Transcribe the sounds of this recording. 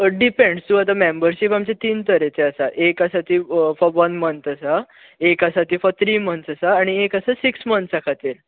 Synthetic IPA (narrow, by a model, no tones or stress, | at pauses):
ɖipẽɳɖst̪uat̪̬amembəɾɕipamt͡ɕet̪iːnt̪əɾet͡seasaʔekasat̪iːfɔɾʋənmənt̪əsa | ekasat̪iːfɔɾt̪ʰɾiːmənt̪sasaːɽ̃iekasasiksmənt̪sakʰat̪el